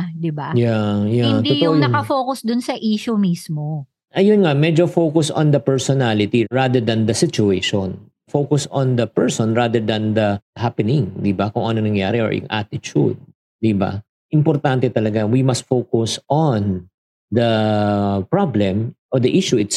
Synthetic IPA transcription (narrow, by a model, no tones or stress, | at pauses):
d̪ɪbajajatd̪iojʊŋnɐkɐfoːkʊsd̪ʊnsɐʔiːʃumismo | ʔɐjonŋamɛd͡ʒofowkʊsʔɔ̰nd̪ɐpɛɹsɔnalɪt̪iɹad̪ɛɹd̪ɐnd̪ɐsɪt͡ʃʊeʃon | fowkʊsɔ̃nd̪ɐpɛɹsɔnɹad̪ɛɹd̪ɐnd̪ɐhapɛnɪŋd̪ɪbɐkʊŋʔɐnoŋnɐŋja̰ːɾɛʔɔ̰ɹjʊ̰ŋʔa̰t̪ɪt͡ʃṵd̪̚ | d̪iba̰ | ʔɪmpɔɾt̪ant̪ɛt̪ɐlɐɡawimɐst̪̚fowkʊsʔon | d̪ɐ | pɹablɛ̃mʔɔd̪ɐʔiʃuɪt̪s